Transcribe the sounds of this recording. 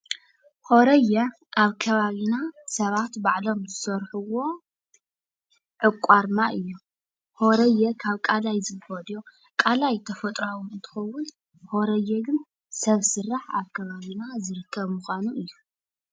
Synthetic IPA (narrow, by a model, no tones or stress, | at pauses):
ho̞ɾɐjɐ | ʔaβkʰɐβaβinasɐβat̪baʕlo̞mzɨsɐɾħuwo̞ | ʕɨkʷʼːaɾmaʔɨjːu | hoɾɐjːɐkʰaβkʼalajzɨfod̪jo | kʼalajt̪ʰɐfɐt̪ʼɾawʊnɨnt̪ʰɨ̥xɐwʊn | hoɾɐjːɐɡɨn | sɐβsɨrːaħa̰βkʰɐβaβinazɨɾɨkʰːɐβmuxʷanuʔɨjːu